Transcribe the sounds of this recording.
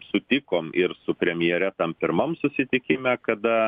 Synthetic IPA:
sʊt̪ʲɪkoːmɪɾsʊpʲɾʲɛmʲɪjɛɾʲɛt̪ɐmpʲɪɾmɐmsʊsʲɪt̪ʲɪkʲɪmʲæːkɐd̪ɐ

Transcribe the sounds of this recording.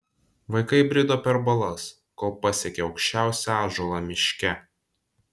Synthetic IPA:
ʋɐɪkɐɪbʲɾʲɪd̪oːpʲɛɾbɐlˠɐs | koːlˠpɐsʲɛkʲɛɒʊkʃʲt͡ʃʲæˑʊsʲɛɑːʒolˠɑmʲɪʃʲkʲɛ

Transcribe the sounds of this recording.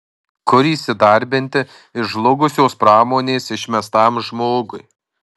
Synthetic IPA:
kʊɾʲiːsʲɪd̪ɐˑɾʲbʲɪnʲt̪ʲɪ | ɪʒlˠʊɡʊsʲoːspɾɑːmoːnʲeːsɪʃʲmʲɛst̪ɑːmʒmoːɡʊj

